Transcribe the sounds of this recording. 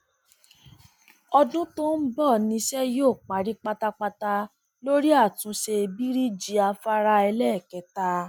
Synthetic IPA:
ɔ˧dũ˦to˦n̩˦bɔ˦˨nĩ˧ʃɛ˦joː˦˨k͡pa˨ɾi˦k͡pa˧ta˧k͡pa˧ta˧ | lo˦ɾi˦a˦˨tũ˨˧˦ʃe˧bi˦ɾi˦d͡ʒi˧a˧fa˦ɾa˧ɛ˧lɛ˦˨kɛ˨ta˧

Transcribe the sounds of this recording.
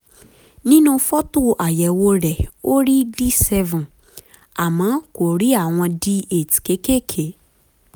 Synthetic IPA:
nĩ˦nũ˧fɔ˦tu˦˨ʔa˨jɛ˨˦wo˧ɾɛ˨o˦ɾi˦di˦sɛ˧vũ˨ | a˨mã˨˦ko˨ɾi˨˦a˦˨w̃ɔ̃˧di˧e˨tke˨˦ke˦˨kʰe˨˦

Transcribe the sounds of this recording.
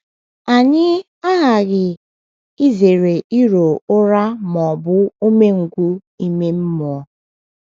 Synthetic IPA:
a˨ɲɪ˦ | a˦ɦa˨ɡɪ˨ | i˦ze˨ɾe˨ʔi˦ɾo˨ʊ˦ɾa˦m˨ɔ˨bʊ˦u˦me˦ŋ̩˨ɡʷu˦ | i˦me˦m̩˦mʊ˨ɔ˦

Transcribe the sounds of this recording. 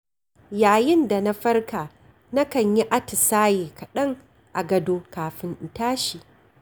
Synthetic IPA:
jaː˨jɪ˦nda˨na˦ɸɐ˦rkaː˨ | na˦kɐ˨ɲji˦ʔa˦tɪ˨saː˦jeː˨kɐ˨ɗɐ˦ŋ | ʔa˨ɡɐ˦doː˦kaː˨ɸɪ˦nʔtaː˦ʃiː˨

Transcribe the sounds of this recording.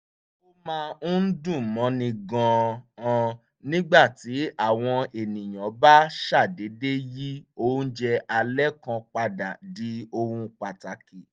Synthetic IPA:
o˦mãː˦˧u˦n̩˦dũ˦˨mɔ̃˨˦nĩ˧ɡã˧ã˧ | nĩ˦ɡ͡ba˦˨ti˨˦a˦˨w̃ɔ̃˧e˨nĩ˨j̃ã˨ba˦ʃa˦˨de˨˦de˦ji˦o˦n̩˦d͡ʒɛ˧ʔa˧lɛ˦kã˧k͡pa˧da̰˨di˨˦o˧hũ˧k͡pa˨ta˨ki˨

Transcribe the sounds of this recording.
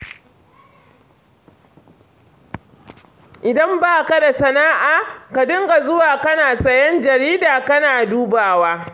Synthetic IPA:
ʔɪ˨dɐ˦mbaː˦˨kɐ˦da˨sɐ˨naː˦ʔaː˨ka˨dɪ˦ŋɡa˨zʊ˦waː˨kɐ˦naː˨sɐ˨jɛ˦nd͡ʒɐ˨ɾiː˦daː˨kɐ˦naː˨duː˦baː˨waː˦

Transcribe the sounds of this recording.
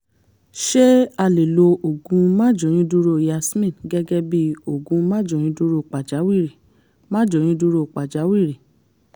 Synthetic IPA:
ʃe˦a˧˨le˨lo˧o˨ɡũ˧mã˦d͡ʒõ˨j̃ĩ˨˦du˦ɾo˦˨ja˧smĩ˦˨nɡɛ˦ɡɛ˦bi˦o˨ɡũ˧mã˦d͡ʒɔ̃˨ĩ˧˦du˦ɾo˦˨k͡pa˨d͡ʒa˨˦wi˦˨ɾi˨ | mã˦d͡ʒõ˨ĩ˦du˦ɾo˦˨k͡pa˨d͡ʒa˨˦wi˦˨ɾi˨

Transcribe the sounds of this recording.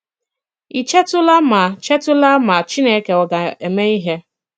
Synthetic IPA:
i˨t͡ʃe˦tʊ˦la˦ma˨t͡ʃe˦tʊ˦la˦ma˨t͡ʃi˦ne˦ke˨ʊ˨ɡa˨e˨me˦i˦ɦe˦

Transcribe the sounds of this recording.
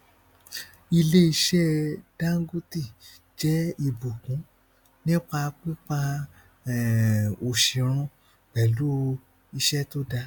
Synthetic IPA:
i˧le˦i˧ʃɛ˦d̥a˦ŋ˦ɡu˦ti˦˨ | d͡ʒɛ˨˦i˦˧˨bu˨kũ˨˦ | nĩ˦k͡pa˧k͡pĩ˦k͡pa˦ | ɛ˨o˨ʃĩ˨ɾ̃ũ˧ | k͡pɛ˨lu˦ | i˧ʃɛ˦to˦da˧

